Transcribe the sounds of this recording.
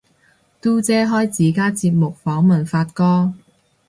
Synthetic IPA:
t̪uː˥t͡sɛː˥ɦɔː˥jt͡siː˨˥kaː˥t͡siː˧p̚mʊ˨k̚fɔː˨˥ŋmɐ˨˩nfaː˧t̚kɔː˥

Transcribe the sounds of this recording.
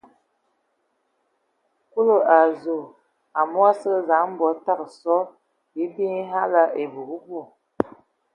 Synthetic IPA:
ku˦lo˦˨a˨zo˨ | a˨mwa˦sə˦za˨˦ŋm˦bɔ˨˦ta˦˨ksɔ˦ | ji˨˦bi˦ŋ˦ha˦la˦ʔe˨bu˨ɡu˦ɡu˦˨

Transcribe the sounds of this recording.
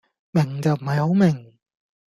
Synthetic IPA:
mɪ˨˩ŋt͡sɐ˨wm̩˨˩hɐ˨jho˨˥wmɪ˨˩ŋ

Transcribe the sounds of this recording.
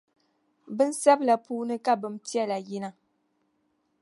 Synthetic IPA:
bɨ˦n̩˦sa˦bla˨puː˦nɨ˦ka˦bɨ˨m̩˦ti˦ɛ˦la˨ji˦na˦

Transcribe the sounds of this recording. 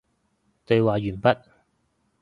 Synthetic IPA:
t̪ɵ˨˧ɥwaː˨jyː˨˩npɐ˥t̚

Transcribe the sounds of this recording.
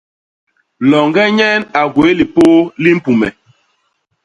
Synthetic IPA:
lɔ˨ŋɡɛ˦ɲɛ˦na˨ɡwe˨˦li˨poː˦li˦m̩˦pu˨mɛ˨

